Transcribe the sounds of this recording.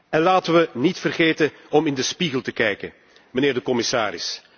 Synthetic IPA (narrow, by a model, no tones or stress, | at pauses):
ɛnlaːtəʋənitfərɣeːtən | ɔmɪndəspiɣəlˠtəkɛjkən | məneːrdəkɔmɪsaːɾɪ̰s